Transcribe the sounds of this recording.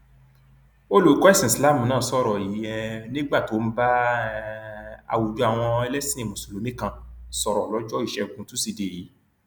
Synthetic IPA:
o˦lo˨˦kɔ˦ɛ˦sĩ˨sla˦˨mũ˨nãː˦˨sɔ˦˨ɾɔ˨ji˨˦jɛ˧nĩ˦ɡ͡ba˦˨to˨˦n̩˦ba˦ | a̰˨wu˨d͡ʒu˨˧a˨w̃ɔ̃˧ɛ˧lɛ˦si˦nĩ˨mũ˨so˨lo˨nĩ˦kã˦˨sɔ˨ɾɔ˨lɔ˨˦d͡ʒɔ˦i˦˨ʃɛ˨˧˨kũ˧˦tũ˦si˧de˨i˨˦

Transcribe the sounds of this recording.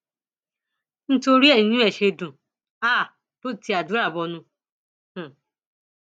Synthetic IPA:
n̩˦to˦ɾi˦e˦˨i˨nũ˦e˨ʃe˦dũ˨ | a˦˨ | bo˦˨ti˨˦a˨du˨˦a˦˨bɔ˨nʊ̃˦ | h̩˨

